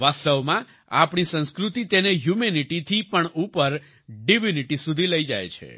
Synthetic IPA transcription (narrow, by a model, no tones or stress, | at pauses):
ʋast̪əʋmã | apɳ̃isə̃nskɾut̪it̪eneɦjumeniʈit̪ʰipəɳupəɾ | ɖiʋiniʈisud̪ʱiləid͡ʒa̰jt͡ʃʰḛ